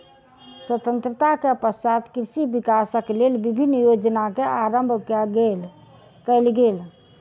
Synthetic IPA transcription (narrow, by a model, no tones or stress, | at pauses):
swət̪ənt̪ɾət̪akeəpəst͡ʃat̪kɾiʃibikasəklelbibʱinːjod͡ʒnakeaɾəmbʱkel | kəɪlɡel